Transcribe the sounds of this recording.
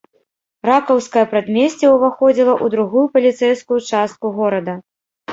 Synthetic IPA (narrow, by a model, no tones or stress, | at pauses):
ɾakɐwskɐjɐpɾad̪mʲesʲt͡sʲɛuvaxɔd͡zʲilˠɐʔud̪ɾuɣujupɐlʲit̪sɛjskujut͡ʂast̪̚kuɣɔɾɐd̪ɐ